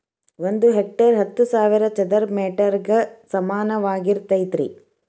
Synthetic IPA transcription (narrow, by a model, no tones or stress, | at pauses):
ʋond̪uɦek̚ʈeɾɦɐt̪ːusaːʋiɾɐt͡ʃɛd̪ɐɾmeːʈɐɾɡɐsɐmaːnɐʋaːɡiɾt̪ɐjt̪ɾḭ